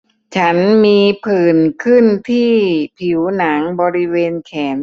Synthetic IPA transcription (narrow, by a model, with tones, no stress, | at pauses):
t͡ɕʰa˦˥nmiː˧pʰɯː˨˩nkʰɯ˥˩nt̪ʰiː˥˩pʰi˩˦wna˩˦ŋbɔː˧ɾi˦˥weː˧nkʰɛː˩˦n